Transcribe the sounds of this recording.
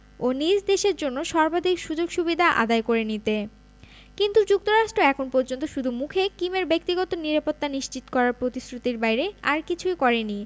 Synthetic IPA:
onid͡ʑd̪eʃeɾd͡ʑonːoʃɔɾbad̪ʱikʃud͡ʑoɡʃubid̪ʱaʔa̰d̪aekoɾenit̪e | kint̪ud͡ʑuk̚t̪oɾaʃʈɾoɛkʰonpoɾd͡ʑont̪oʃud̪ʱumukʰekimeɾbek̚t̪iɡɔt̪oniɾapot̪ːaniʃt͡ɕit̪o̥kɔɾaɾpɾot̪isɾut̪iɾbajɾea̰ɾkit͡ɕʰujkɔɾeni

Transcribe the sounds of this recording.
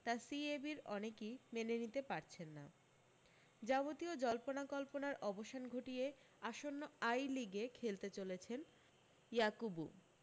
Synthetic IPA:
t̪asiebiɾɔnekimenenit̪epaɾt͡ɕʰenːa̰ | d͡ʑabot̪iod͡ʑɔlponakɔlponaɾʔɔboʃanɡʱoʈije | aʃonːoajliɡekʰelt̪et͡ɕolet͡ɕʰen | jakubu

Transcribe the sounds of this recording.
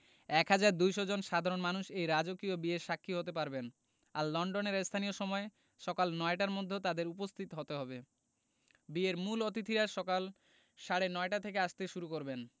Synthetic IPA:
ɛkɦad͡ʑaɾd̪ujʃod͡ʑonʃad̪ʱaɾonmanuʃejɾad͡ʑokiobieɾʃakʰːiɦot̪epaɾben | aɾlɔɳɖoneɾest̪ʰanijoʃɔmɔe | ʃɔkalnɔeʈaɾmod̪ʱːet̪ad̪eɾupost̪ʰit̪ɦot̪eɦɔbe | bieɾmulot̪it̪ʰiɾaʃɔkal | ʃaɽenɔeʈat̪ʰekeaʃt̪eʃuɾukoɾben

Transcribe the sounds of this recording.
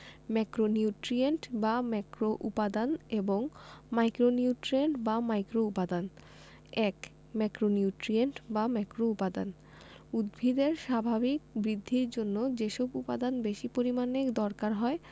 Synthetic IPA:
mɛkɾoniuʈɾieɳʈbamɛkɾoʔṵpad̪aneboŋmajkɾoniuʈɾieɳʈbamajkɾoupad̪an | ɛk | mɛkɾoniuʈɾieɳʈbamɛkɾoupad̪a̰n | ud̪̚bʱid̪eɾʃabʱabik̚bɾid̪ʱːiɾd͡ʑonːod͡ʑeʃɔbupad̪anbeʃipoɾimanekd̪ɔɾkaɾɦɔe

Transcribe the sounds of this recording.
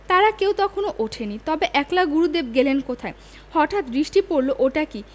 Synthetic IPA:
t̪aɾakewt̪ɔkʰonoʔoʈʰenit̪ɔbeʔɛklaɡuɾud̪eb̚ɡelenkot̪ʰae | hɔʈʰat̪bɾiʃʈipoɾloʔoʈaki

